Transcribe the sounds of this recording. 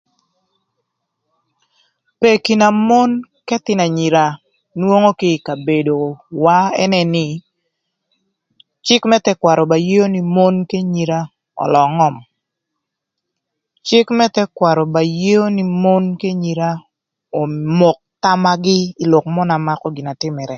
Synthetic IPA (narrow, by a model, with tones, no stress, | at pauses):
pe˨ki˨na˨mo˦nkɛ˦t̪ɪ˨na˨ɲi˨ɾa˨ | nwo˦ŋo˦kɪ˦˨ka˨be˨do˨wa˦ɛ̰˦nɛ˦nɪ˨ | t͡ʃɪ˦kmɛ˦tɛ˦kwa˨ɾɔ˨ba˨je˦o˦ni˨mo˦nke˦ɲi˨ɾa˦ | ɔ̰˨lɔ˨ŋɔ˦˨m | t͡ʃɪ˦kmɛ˦tɛ˦kwa˨ɾɔ˨ba˨je˦o˦ni˨mo˦nke˦ɲi˨ɾa˦ | o˨mo˨k̚ta˦ma˦ɡɪ˦i˨lo˨kmɔ˦na˨ma˦kɔ˦ɡɪ˨na˨tɪ˦mɛ˨ɾɛ˨